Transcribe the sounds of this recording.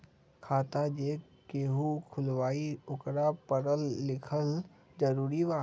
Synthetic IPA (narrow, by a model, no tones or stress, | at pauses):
kʰaːt̪ad͡ʒeː | keːɦukʰʊlʋaːiʊkɾapəɾəlːɪkʰəl | d͡ʒəɾuːɾiʋaː